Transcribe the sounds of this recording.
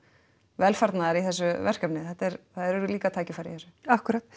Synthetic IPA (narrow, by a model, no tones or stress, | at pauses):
vɛlfaɾt̪naðaɾiθɛsːʏvɛr̥kapnɪθɛht̪ːɛɾθaðɛɾɛɾʏliːkat̪ʰaːjcɪfaːɾḭθɛsːʏ̥ahkʏɾaːt̪